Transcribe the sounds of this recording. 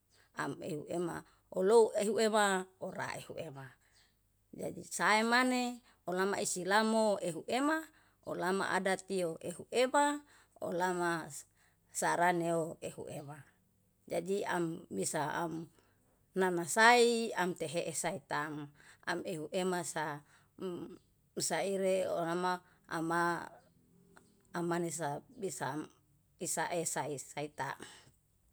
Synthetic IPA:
a̰mḛɦuema̰ | oloueɦuemaoɾa̰ehṵʔema | d͡ʒa̰dḭsaemane | olama̰isilamoeɦuʔema | o̰lama̰ʔa̰dat̪ioʔeɦuʔema | o̰lama | saɾaneoehṵema | d͡ʒadia̰mbisaa̰m | nanasaiamt̪eɦeʔesait̪aŋa̰meɦuʔemasa | saiɾeo̰lama̰ː | ma | manesabisam | isaʔesaisait̪a̰m

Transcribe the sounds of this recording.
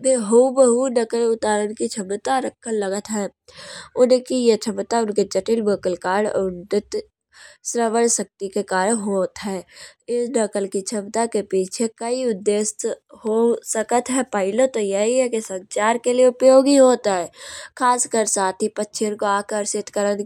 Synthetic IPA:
beːɦubəɦunəkəlʊt̪aːɾənkit͡ʃʰəmt̪aɾəkʰːəlləɡət̪ɦɛː | ʊnkijet͡ʃʰəmt̪aʊnked͡ʒəʈɪlbəːkəlkaːɽʊnɖɪt̪ | sɾəʋəlsək̚t̪ikekaːɾənɦoːt̪ɦɛːɪsnəkəlkit͡ʃʰəmt̪akepiːt͡ʃʰekəiʊd̪ːeːst̪ɦosəkət̪ɦɛpəɪlot̪ojɐɦiɦɛkisə̃nt͡ʃaːɾkelieʊpjoːɡiɦoːt̪aɦɛːkʰaːskəɾsaːt̪ʰipətːʃʰɪnkoaːkəɾsɪt̪kəɾən

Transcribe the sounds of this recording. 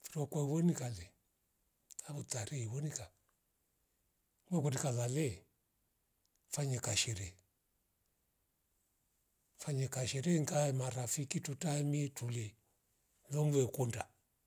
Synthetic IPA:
fiɾɔkwɔiβɔnikalɛ | aβutaɾɛiβɔnika | mɛkɔdikalalɛ | faɲɛkaʃɛɾɛ | faɲɛkaʃɛɾɛŋkaɛmaɾafikitutamiɛtulɛ | lɔmvɛkunda

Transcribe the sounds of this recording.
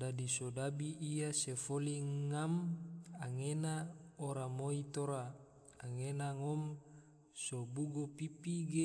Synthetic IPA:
dadisodabiʔːjasefoliŋamaŋenaoɾamoit̪oɾaː | ŋenaŋɔm | sobuɡopipiɡe

